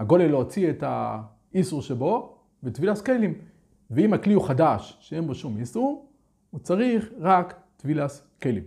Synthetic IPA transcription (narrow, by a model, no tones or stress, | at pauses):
haɡo̞leloot͡sieta̰ | isuʁʃebo̞ | vet̪vilaskelim | veimakliuχadaʃʃee̞nbo̞ʃumisuʁ | ut͡saʁiχʁak | t̪vilas | kelim